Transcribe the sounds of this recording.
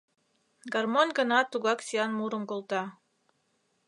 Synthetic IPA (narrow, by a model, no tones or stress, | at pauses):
ɡɑrmonʲɡɤ̆nɑt̪uɣɑksʲijɑnmuɾə̆mkolˠt̪ɑ